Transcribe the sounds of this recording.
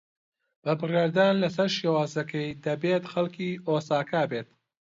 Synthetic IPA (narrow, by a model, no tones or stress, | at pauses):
b̥ɐbɨrjaːɾd̪aːnlɐs̬ɐɾʃjewaːzɐkʰɐjd̪ɐbeːt̪xɐlkiːoːsaːkaːbeːt̪̚